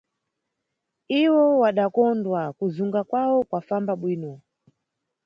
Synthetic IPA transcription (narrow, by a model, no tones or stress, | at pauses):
iwɔwaɗakɔndwakuzuŋɡakwawɔkwafambaɓwiːnɔ